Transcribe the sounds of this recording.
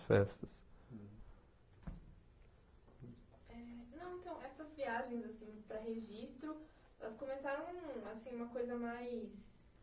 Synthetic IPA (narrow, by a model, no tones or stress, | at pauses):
fɛst̪ɐs | ɛnɐ̃w̃ẽnt̪ɐ̃w̃ɛsɐzviaʒẽj̃zasĩpɾɐɦeʒist̪ɾʊ | ɛlɐskomesaɾɐ̃w̃asĩũmɐkojzɐmajs